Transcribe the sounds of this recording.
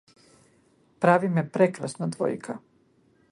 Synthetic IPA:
pɾaʋimepɾekɾasnad̪ʋo̰jkʰa

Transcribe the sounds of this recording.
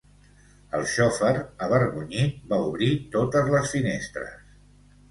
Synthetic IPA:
ə̰lˠʃɔfəɾəβ̞əɾɣuɲibauβɾit̪ot̪əzləsfinest̪ɾə̰s

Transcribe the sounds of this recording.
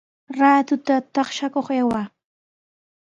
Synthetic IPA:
ɾaːt̪ʊt̪at̪ɑχʃakoχewa

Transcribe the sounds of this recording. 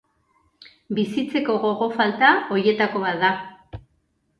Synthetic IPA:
bisit͡se̞ko̞ɣo̞ɣo̞falt̪ao̞je̞t̪ako̞β̞at̪d̪a

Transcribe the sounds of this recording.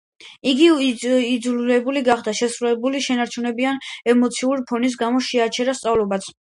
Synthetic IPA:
iɡiid̪zululɛbuliɡaχd̪aʃɛsɾulɛbuliʃɛnaɾt͡ʃʰunɛbianɛmɔt̪sʰiuɾipʰɔnis̬ɡamɔʃɛat͡ʃʰɛɾast̪sʼavlɔbat̪sʰ

